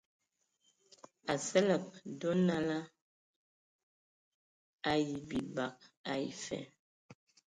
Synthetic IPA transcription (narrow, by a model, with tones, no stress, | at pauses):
a˨sɛ˦lə˨p̚do˦na˦la˦ | a˨ji˨bi˨ba˨k̚a˨ḭ˨fɛ̰˨